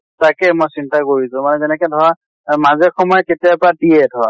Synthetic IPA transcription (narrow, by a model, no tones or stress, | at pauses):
takɛmojsintakoɹisʊ̃manɛzɛnɛkɛdʱɔɹa | mazɛxɔmɔjɛketijapadijɛdʱɔɹa̰